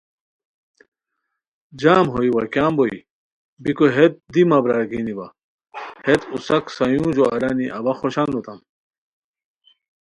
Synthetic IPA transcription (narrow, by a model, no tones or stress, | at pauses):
d͡ʑaːmɦoiwɐkaːmboḭ | bikoɦet̪̚d̪imɐbɾaːɾɡinibɐ | het̪usɐksɐjũːd͡ʑoɐɾaniʔɐ̰bɐxoɕand̪ut̪ɐm